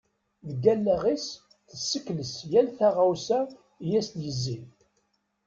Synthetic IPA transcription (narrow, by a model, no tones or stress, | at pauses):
ðəɡælːæʁis | θəsːəkːləsjælθæʁawsæ | jæsnjəzːin